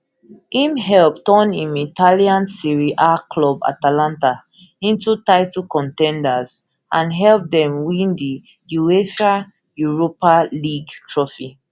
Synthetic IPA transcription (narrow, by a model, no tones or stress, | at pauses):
ĩmhɛlptɔ̃nĩmitʰaliãnsiɹiʔakʰlɔba̰talãnta | ĩntutaɪtkɔ̃ntɛ̃ndaz̥ | ʔãnɦɛlp̚dɛ̃mwĩndi | jueʃa | juɹopaliɡtʰɹɔfi